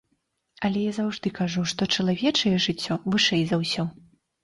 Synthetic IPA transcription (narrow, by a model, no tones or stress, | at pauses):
ɐlʲɛjazawʐd̪ɨkaʐuʂt̪ɔt͡ʂɐlˠavʲɛt͡ʂɐjɛʐɨt͡sʲːɔvɨʂɛjzawsʲɔ